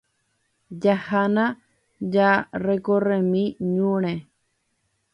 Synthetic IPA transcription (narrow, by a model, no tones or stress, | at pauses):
d͡ʒahanã | d͡ʒarekoremĩɲũɾ̃ẽ